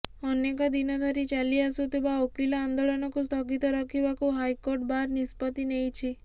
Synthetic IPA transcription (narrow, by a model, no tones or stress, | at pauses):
ɔnekɔd̪inɔd̪ʱaɾit͡ʃaliasut̪ibaokilaːnd̪olɔnɔkust̪ʰɔɡit̪ɔɾɔkʰibakuɦajkoɾʈ̚baɾnispɔt̪inejt͡ʃʰi